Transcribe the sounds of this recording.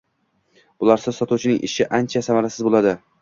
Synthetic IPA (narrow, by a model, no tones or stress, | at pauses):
ʊlaɾsɪzsɒt̪uwt͡ʃʰɪnɪŋʔɪ̰ʃɪʔant͡ʃʰasamaɾasɪzbolad̪ɪ